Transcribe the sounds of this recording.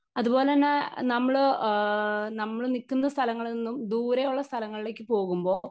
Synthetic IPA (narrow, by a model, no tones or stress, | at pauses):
ɐðubo̞ːleɐnːenɐmːɐɭ | nɐmːɐɭnikːunːɐst̪ʰɐlɐŋːɐɭinːumd̪uːɾɐjuɭːɐst̪ʰɐlɐŋːɐɭileːk̬ːɨpo̞ːɣumbo̞ː